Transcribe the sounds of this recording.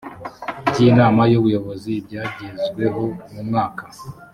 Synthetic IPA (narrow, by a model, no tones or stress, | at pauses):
bɟiːnaːmajuβujo̞βo̞zibɟaːɟizɡwe̞ɦo̞mumŋaːkḁ